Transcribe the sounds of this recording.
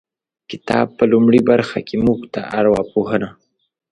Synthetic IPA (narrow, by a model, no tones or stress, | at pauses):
kɪ̥t̪ɑ̰b̚pəlumɽibaɾxa̰kʰemuɡt̪aʔaɾwɑpoɦəna